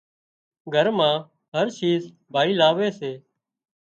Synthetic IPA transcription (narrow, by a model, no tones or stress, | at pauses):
ɡʱəɾmãː | ɦəɾʃiːz | bʱaːiːlaːʋeːseː